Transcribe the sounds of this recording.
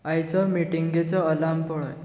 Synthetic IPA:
ajt͡sɔmiʈiŋɡet͡sɔːlampɔɭɔj

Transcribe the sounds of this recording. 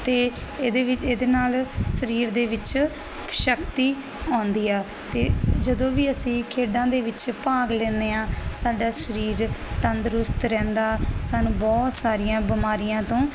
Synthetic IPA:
t̪eːd̪eːʋɪeːd̪eːnaːlʃəɾiːɾd̪eːʋɪt͡ʃ | ʃəkt̪iː | ɔːnd̪iːaː | t̪eːd͡ʒəd̪õːʋiːəsĩːkʰeːɖãːd̪eːʋɪt͡ʃpaːɡlɛːneːãːsaːɖaːʃəɾiːɾt̪ənd̪əɾʊst̪ɾɛ̃ːnd̪aːsaːnũːbɔːt̪saːɾɪjãːbɪmaːɾɪjãːt̪õː

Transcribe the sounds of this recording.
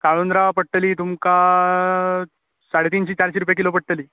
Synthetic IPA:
kaɭond̪ɾapəɽʈəliːt̪umka | saɽet̪iːnɕiːt͡ɕaɾɕiɾupjakilopəʈʈəliː

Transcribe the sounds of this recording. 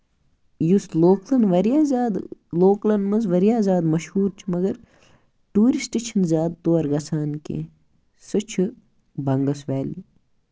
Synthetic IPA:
jusloːklɐnʋɐɾjazaːd̪loːklɐnmɐzʋɐɾijaːzaːd̪mɐʃhuːɾt͡ʃʰimɐɡɐɾ | ʈuːɾisʈit͡ʃʰɐnzʲaːd̪̚t̪oːɐɾɡɐsaːnkḛ̃ | sɨt͡ʃʰɨ | bɐŋɡɐsʋɛːli

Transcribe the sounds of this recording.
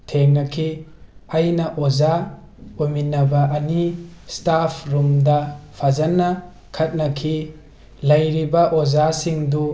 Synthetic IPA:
tʰeŋnɐkʰiɐjnɐʔoza | ominɐbɐʔɐnistapʰɾumdɐpʰazɐnɐ | kʰɐt̚nɐkʰi | lɐjɾibɐʔozasiŋdu

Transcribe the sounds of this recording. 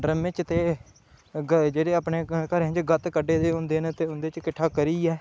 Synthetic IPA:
ɾəmːet͡ʃt̪eː | ɡd͡ʒeːɽeːaːpneːkəɾə̃d͡ʒɡət̪kəɖeːt̪eːʊ̃nd̪eːnẽːt̪eːʊnd̪eːt͡ʃkɪʈʰːaːkəɾiːɛː

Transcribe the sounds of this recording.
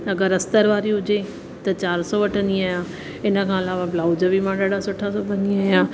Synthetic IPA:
ɐɡəɾɐst̪əɾʋaːɾiɦʊd͡ʑe | t̪ɐt͡ɕaːɾsɔʋɐʈʰə̃nd̪iaːjaː | ɪnə̆kʰãːɐlaːʋablaːʊd͡ʑəʋimãɗaːɖasʊʈʰasɔbɐɲiaːijaː

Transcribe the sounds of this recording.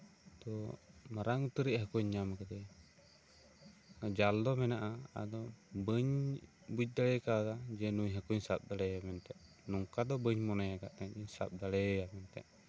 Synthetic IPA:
t̪ɔmaɾaŋut̪əɾiʔ̚hakuɲːamakat̪ɛ | d͡ʒald̪ɔmɛnaʔaa̰d̪ɔbəɲ | buc̚ˀd̪aɽɛkad̪ad͡ʒɛnuɲɦakuɲsap̚d̪aɽɛamɛnt̪ɛʔ | nɔŋkad̪ɔbəɲmɔnɛjaɡaʔt̪ɛd͡ʒɛɲsa̰p̚d̪aɽɛjamɛnt̪ɛ̰ʔ

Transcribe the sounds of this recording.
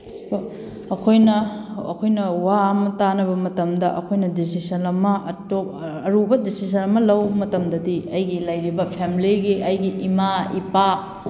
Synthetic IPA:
spo | ɐkʰojnɐɐ̰kʰojnɐwamɐtanɐbɐmɐtɐmdɐʔɐkʰojnɐdis̬isɐnɐmɐtoɐɾubɐdisis̬ɐnɐmɐlɐwmɐtɐmdɐdiɐjɡilɐjɾibɐpʰemiliɡiʔɐjɡiʔimaipa

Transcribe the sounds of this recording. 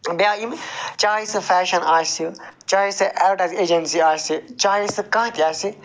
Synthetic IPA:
bjaːimt͡ʃaːisɨfɛːʃɐnaːsut͡ʃaːisɨʔɛːlʈɐzeːd͡ʒɐnsiaːsit͡ʃaːisɨkãːt̪iaːsi

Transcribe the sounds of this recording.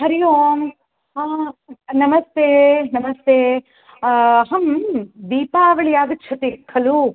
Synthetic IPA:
hɐɾijoːm | a | nɐmɐst̪eːnɐmɐst̪eː | ɦɐmd̪iːpaːʋɐɭijaːd̪ɐt͡ʃʰɐt̪ikʰːɐlu

